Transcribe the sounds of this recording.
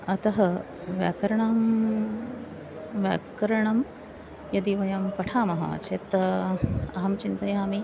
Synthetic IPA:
ɐt̪ɐɦɐ | ʋja̰ːkɐɾɐɳaːm | ʋja̰ːkɾɐɳɐm | jɐd̪iʋɐjɐmpɐʈʰaːmɐɦɐ̰t͡ʃʰet̪ | ɐɦɐmt͡ʃint̪ɐjaːmi

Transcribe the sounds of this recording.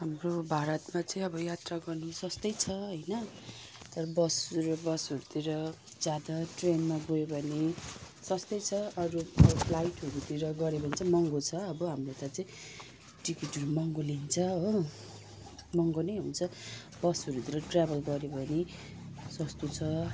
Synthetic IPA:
ɦamrobʱaɾʌt̪mat͡sʌĩʌbʌjat̪raɡʌrnesʌst̪ʌjt͡sʰʌɦʌjnʌ | t̪ʌɾʌbʌsɾʌbʌsoɾut̪iɾʌ | d͡zjad̪aʈrenmaɡoebʱʌne | sʌst̪ʌjt͡sʰʌʌɾuʌbpʰlajʈɦʌɾut̪iɾʌɡʌɾebʱʌint͡sʰʌmʌŋɡot͡sʰʌːbʌɦamrot̪at͡sʌĩ | ʈikiʈʌɾumʌŋɡolint͡sʰʌo | mʌŋɡonʌjɦunt͡sʰʌ | bʌsʌɾut̪iɾʌʈrabʱʌlɡʌɾebʱʌne | sʌst̪ot͡sʰʌ

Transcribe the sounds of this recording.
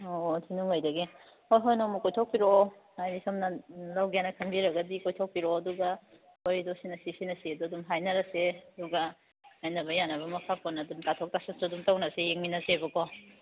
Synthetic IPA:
otʰinuŋajdɐɡi | ojɦojnomɐkojtʰok̚piɾo | ajisomnɐlawɡianɐkʰɐmbiɾɐɡɐdikojtʰok̚piɾɔɐduɡɐ | boɾidosinɐsisinɐsiɐduɐdumɦajnɐɾɐseɐduɡɐ | ajnɐbɐjanɐβɐmɐpʰaponɐdumtatʰok̚tasansodumtawnɐsejeŋminɐsebɐkʰɔ

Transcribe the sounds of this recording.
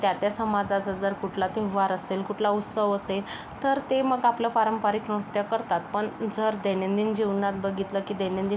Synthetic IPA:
t̪jat̪jasəmad͡zad͡zəd͡zəɾkuʈʰlat̪eʋaɾəselkuʈʰlaut̪səʋəsel | t̪əɾt̪eməɡapləpaɾəmpaɾiknot̪jəkəɾt̪at̪pəɳd͡zəɾd̪enend̪iːnd͡ʑiʋnat̪̚bəɡʱit̪ləkiːd̪enẽnd̪i

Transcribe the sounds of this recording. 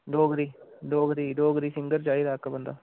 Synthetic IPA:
d̪oːɡɾid̪oːɡɾid̪oːɡɾiːsɪŋɡəɾd͡ʒaːiɾaːkabɐnd̪a̰ː

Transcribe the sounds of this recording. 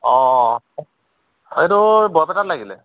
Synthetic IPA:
ɔ̃ | etʊbɔɹpɛtatlaɡilɛ̰

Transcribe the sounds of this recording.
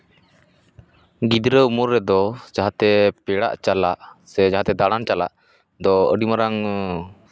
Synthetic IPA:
ɡid̪ɾəumuɾːɛd̪ɔd͡ʒaɦat̪ɛpɛɽa̰ʔt͡ʃalaʔsɛd͡ʒaɦat̪ɛd̪aɽant͡ʃala̰ʔ | d̪ɔə̰ɖimaɾaŋ

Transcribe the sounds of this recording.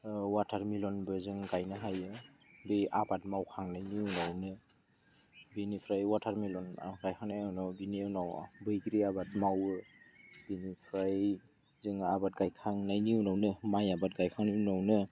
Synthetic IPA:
watʰaɾmilɔnbɯzɯŋɡajnɯɦajɯ | bɯʔabat̚mawkʰaŋnajniunawnɯ | binipʰɾajwatʰaɾmilɔn̰ʰɾajkʰaŋnajunawbiniɯwnawbɯjɡɾiabat̚mawɯb̥inipʰɾaj | zɯŋabat̚ɡajkʰaŋnajniunawnɯmajabat̚ɡajkʰaŋninawnɯ

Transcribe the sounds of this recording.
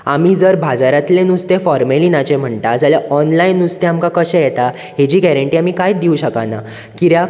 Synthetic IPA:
amiːd͡zəɾbʱad͡zaɾat̪lẽnust̪efɔɾmeliːnat͡ɕem̤əɳt̪ad͡zaljaʔɔnlajnːust̪eamkakəɕɛ̃jɛt̪a | ɦed͡ʑiːɡæɾəɳʈiːamiːkajd̪iuɕəkana̰ | kiɾja

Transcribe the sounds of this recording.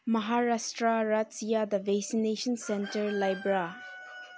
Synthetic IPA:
mɐɦaɾastɾaɾatsijad̪ɐvɛksineʃɐnsɛntɐɾlajbɾa

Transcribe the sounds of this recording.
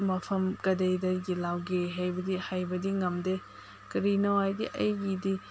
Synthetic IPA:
mɐpʰɐmkɐdejdɐɾɡilawɡeɦajbɐdihajbɐdiŋɐmde | kɐɾinɐwajdḭʔɐjɡidi

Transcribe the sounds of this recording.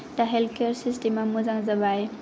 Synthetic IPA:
daɦelkeɾsistimamuzaŋzabaj

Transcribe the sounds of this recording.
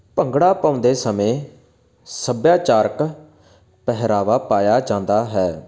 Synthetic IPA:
pəŋɡɽaːpãːʊ̃nd̪eːsəmẽː | səbjaːt͡ʃaːɾk | pɛɦɾaːʋaːpaːjaːd͡ʒãːnd̪aːɦɛː

